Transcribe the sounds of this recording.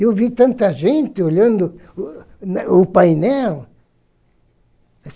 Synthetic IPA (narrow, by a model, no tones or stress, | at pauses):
ewvit̪ɐ̃nt̪ɐʒẽnt̪ɪoʎɐ̃nd̪ʊ | nʊpajnɛl